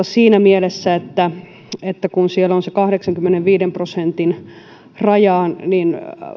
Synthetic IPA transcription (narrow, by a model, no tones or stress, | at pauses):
ɑsiːnæmielesːæet̪ːæ | et̪ːækunsielonsekɑhdeksɑŋkymːeneʋʋiːdemprosent̪in | rɑjɑːnnin